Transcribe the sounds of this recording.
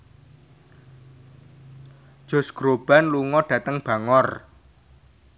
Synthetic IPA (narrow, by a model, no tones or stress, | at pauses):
ʒ̥o̤sɡ̥ɾob̥a̤nluŋɔɖ̥ä̤t̪əŋb̥ä̤ŋɔr